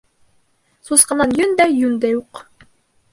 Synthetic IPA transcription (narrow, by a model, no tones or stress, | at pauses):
susqɑ̆nɑnjɵnd̪æjʉnd̪æjuq